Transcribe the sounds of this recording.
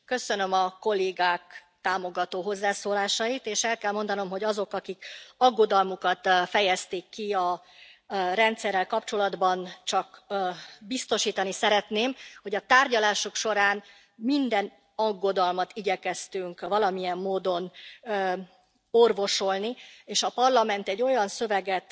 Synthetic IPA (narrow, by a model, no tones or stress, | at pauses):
kø̞sønø̞mɒko̞lːeːɡaːkt̪aːmo̞ɡɒt̪oːɦo̞zːaːsoːlaːʃɒjit̪eːʃɛlkɛlmo̞nd̪ɒno̞mɦo̞ɟɒzo̞kɒkikɒɡːo̞d̪ɒlmukɒt̪fɛjɛst̪eːkːiɒ | rɛnt̪sɛrːɛlkɒpt͡ʃo̞lɒd̪bɒnt͡ʃɒkː | bist̪o̞ʃiːt̪ɒnisɛɾɛt̪neːmho̞ɟɒt̪aːrɟɒlaːʃukʃo̞ɾaːn | mind̪ɛn | ɒɡːo̞d̪ɒlmɒt̪iɟɛkɛst̪yŋkvɒlɒmijɛmːoːd̪o̞nː | orvo̞ʃo̞lnieːʃɒpɒrlɒmɛnt̪ɛɟːo̞jɒnsø̞vɛɡɛt̪